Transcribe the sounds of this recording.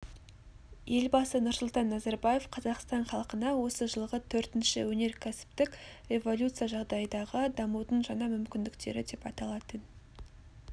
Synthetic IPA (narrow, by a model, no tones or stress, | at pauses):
je̞lbɑsənʊɾsʊlˠt̪ɑnːɑzɑɾbɑje̞fqʰɑzɑqst̪ɑɴχɑlˠqənɑwo̞səʒəlˠʁət̪ʰɵɾt̪ɪnʃɪwɵne̞ɾkʲʰæsɪ̥p̚t̪ɪkʲre̞vo̞lʲut̪sɨjɑʒɑʁd̪ɑjəd̪ɑʁəd̪ɑmud̪əɴʒɑɴɑmʏmkʲɪnd̪ɪkt̪e̞̰ɾɪd̪e̞pɑt̪ɑlˠɑt̪ən